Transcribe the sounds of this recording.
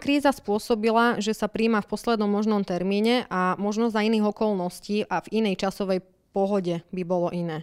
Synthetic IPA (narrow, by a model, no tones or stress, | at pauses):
kɾiːzaspʊɔsɔbilaʒɛsapɾiːmafpɔslɛd̪nɔmːɔʒnɔmt̪ɛɾmiːɲɛʔamɔʒnɔzainiːɣɔkɔlˠnɔsciːʔavinɛjt͡ʃasɔʋɛj | pɔɦɔɟɛbibɔlɔʔinɛː